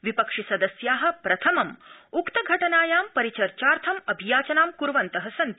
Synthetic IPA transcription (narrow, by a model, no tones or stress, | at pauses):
ʋipɐkʂisɐd̪ɐsjaːɦɐ̆pɾɐt̪ʰɐmɐmukt̪ɐɡʱɐʈɐnaːjaːmpɐɾit͡ʃɐɾt͡ʃaːɾt̪ʰɐmɐbʱijaːt͡ʃɐnaːmkuɾʋɐnt̪ɐɦɐsɐnt̪i